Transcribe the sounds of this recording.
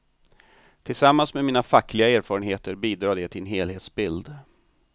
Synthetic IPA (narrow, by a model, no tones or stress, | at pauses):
t̪ʰɪlsamːansmeːmiːnafakːlɪɡaeːɾfɑːɾənɦeːt̪əɾbiːd̪ɾɑːd̪ɛt̪ʰɪɛnɦeːlheːt̪sbɪld̪